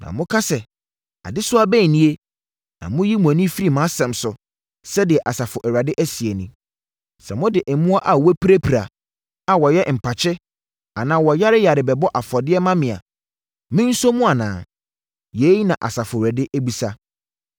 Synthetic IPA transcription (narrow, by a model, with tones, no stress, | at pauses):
nã̰˨mʊ̃˦kʰa˦sɛ˨ | a̰˨dɪ˦sʊ˦a˦bæ˦˨nĩ˦e˦ | nã̰˨mʊ̃˦ji˦mʊ̃˨æ˨nĩ˦fi˦ɾi˨mã˨˦sɛ̃˨msʊ˨ | sɛ˦dɪ˨ɛ˨ʔa˨sa˨fʊ˨ʔɛ˨ɾa˨dɪ˦ʔæ˦si˨e˨nʊ̃˦ | sɛ̰˨mʊ̃˦dɪ˨ʔɛ˨mũ˦a˦ʔa˨wɔ˦pʰi˦ɾæ˦pʰi˨ɾa˨ | a˨wɔ˨jɛ˦m̩˨pʰa˨t͡ɕʰɪ˦ | a˨nãː˨wɔ˨ja˦ɾɪ˦ja˨ɾɪ˨bɛ˨bɔ˦ʔa˨fɔ˨dɪ˦ɛ˦mã˦mɪ̃˨a̰˨ | mɪ̃˦n̩˦sɔ˦mũ˦a˨nã̰ː˨ | je˨˦i˦nã˨ʔa̰˨sa˨fʊ˨ɾæ˨dɪ˦ʔæ˦bi˨sa˦